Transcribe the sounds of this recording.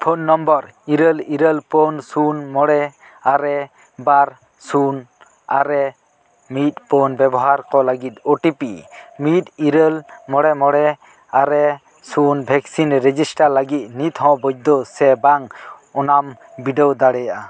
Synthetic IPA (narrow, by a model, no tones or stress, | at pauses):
pʰonːɔmbɔɾ | iɾəliɾəlpɔnsunmɔɽɛ | aɾɛ | baɾ | sun | a̰ɾɛ | mit̪̚pɔnbɛbɔɦaɾkɔlaɡit̪̚ɔʈipimit̪̚iɾəlmɔɽɛmɔɽɛ | aɾɛ | sunbʱɛksinɾed͡ʒisʈaɾlaɡit̪̚nit̪hɔ̃bɔd͡ʒ̚d̪ɔsɛbaŋ | ɔnam | biɖɛwd̪aɽɛjaʔa